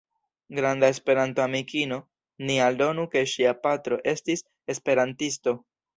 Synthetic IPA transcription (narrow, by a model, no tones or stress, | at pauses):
ɡɾandae̞spe̞ɾantoamikino̞ | nialdo̞nuke̞ʃiapatɾo̞ʔe̞stis | e̞spe̞ɾantisto̞